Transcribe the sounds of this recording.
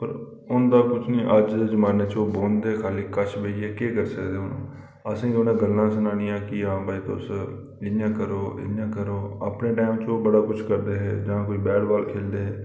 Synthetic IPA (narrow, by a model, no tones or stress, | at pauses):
pəɾ | ʊnd̪aːkʊt͡ʃʰniːʔəd͡ʒezəmaːneːt͡ʃoːboːnd̪eːkʰaːliːkəʃʰbeiɦɛːkeːkəɾsəkd̪eːʊnṵ̃ː | əsĩːonẽːɡəlːãːs̬ənaːɽĩːãːkɪãːbʱaːiːt̪o̰ːsəɾ | ɪljãːkəɾoːɪ̰ljãːkəɾoːə̰pneːʈaːɪmt͡ʃõːbəɽaːkʊt͡ʃʰkəɾd̪eːɦɛ̰ːd͡ʒãːkoːiːbɛːɽbaːlkʰeːld̪eːɦɛː